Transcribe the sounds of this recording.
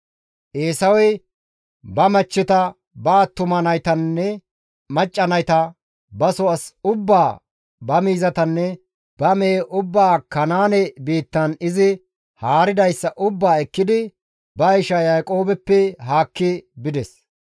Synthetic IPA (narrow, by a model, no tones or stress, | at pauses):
ʔeːsɐwɔj | bɐmɐt͡ʃːɪt̪ɐ | baːt̪ːʊmɐnɐjt̪ɐnːɛ | mɐt͡ʃʼːɐnɐjt̪ɐ | bɐsɔɐsʊbːaː | bɐmiːzɐt̪ɐnːɛ | b̥ɐmɛːʔʊbːaːkɐnaːnɛbiːt̪ːɐnɪzɪ | haːɾɪd̪ɐjsːɐʔʊbːaːɛkːɪd̪ɪ | bɐɪʃɐjɐjkʼo̞ːbɛpːɛɦaːkːɪbɪd̪ɛs